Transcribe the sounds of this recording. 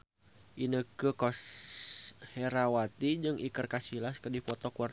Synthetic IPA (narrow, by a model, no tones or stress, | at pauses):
ʔinəkəkɔs | hɛɾawat̪id͡ʒɨŋʔikərkasilaskərdipɔt̪ɔkuar